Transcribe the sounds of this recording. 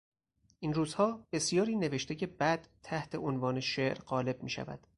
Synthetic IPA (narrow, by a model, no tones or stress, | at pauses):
ʔinruːzhɒːb̥e̞sjɒːɾiːne̞ve̞ʃt̪ʰecʰe̞bæd̪̥t̪ʰːæht̪ʰe̞ʔonvɒːneʃeʔɾɢɒːle̞b̚miːʃæ̰væ̰d̪̥